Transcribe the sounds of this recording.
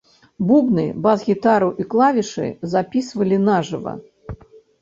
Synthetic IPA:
bubnɨbazɣʲit̪aɾuʔiklˠavʲiʂɨ̰zapʲisvɐlʲinaʐɨvɐ̰

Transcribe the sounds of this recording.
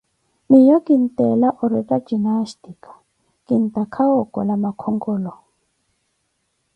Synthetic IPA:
mijɔkint̪ɛlaʔɔɾɛtad͡ʒinastikḁ | kint̪akʰaɔkɔ̰lamakʰɔŋɡɔlɔ

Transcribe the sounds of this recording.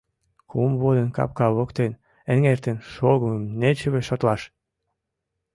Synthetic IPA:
kumβod̪ənkɑ̰p̚kɑβokt̪en | ə̆ŋert̪ənʃoɣəməmnet͡ɕəβeʃot̪lɑʃ

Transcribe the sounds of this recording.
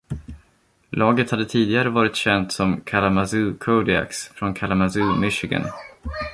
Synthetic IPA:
lɑːɡət̪had̪ːət̪ʰiːd̪ɪɡaɾəvɑːɾɪt̪ɕɛnt̪sɔmkʰalamazʉkʰod̪ɪa̰ksfɾɔnkʰalamazʉːmɪʃɪɡə̰n

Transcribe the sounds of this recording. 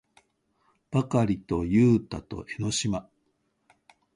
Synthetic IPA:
b̥akaɾʲit̪o̞jɯːt̪a̰t̪o̞̰ʔe̞no̞ɕima

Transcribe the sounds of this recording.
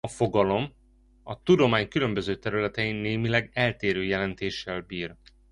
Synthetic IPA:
ɒfo̞ɡɒlo̞m | ɒt̪ud̪o̞maːɲkylø̞mbø̞zøːt̪ɛɾylɛt̪ɛjinːeːmilɛɡɛlt̪eːɾøːjɛlɛnt̪eːʃːɛlbiːr

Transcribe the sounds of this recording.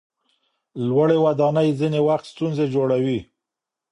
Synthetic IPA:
lwaɽewad̪ɑnəjzinewaxt̪st̪unzed͡ʒoɽawi

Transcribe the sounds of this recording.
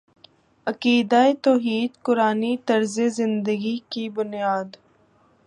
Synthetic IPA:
ɐkiːd̪aet̪oːɦiːd̪kʊɾaːnit̪ɐɾzezɪ̃nd̪əɡikibʊnijaːd̪

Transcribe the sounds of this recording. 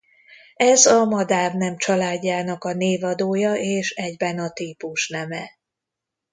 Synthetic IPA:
ɛzɒmɒd̪aːrnɛmt͡ʃɒlaːɟːaːnɒkɒneːvɒd̪oːjɒʔeːʃɛɟbɛnɒt̪iːpuʃnɛmɛ

